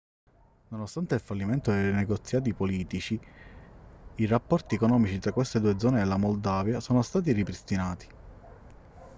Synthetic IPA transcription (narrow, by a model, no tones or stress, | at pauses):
nonost̪ant̪eilfalːiment̪od̪ejnɛɡot̪sːjaːt̪̬ipoliːt̪it͡ʃi | irapːɔrt̪iɛkonɔːmit͡ʃit̪ɾakːwest̪ed̪uːed̪zɔːneːlːamold̪aːvjasoːnost̪aːt̪̬iripɾist̪inaːt̪i̥